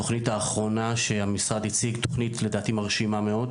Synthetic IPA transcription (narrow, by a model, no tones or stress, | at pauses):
oχnitaːχʁo̞naʃe̞amisʁad̪it͡siɡt̪oχnit̪ledaːt̪imaʁʃimame̞o̞d̪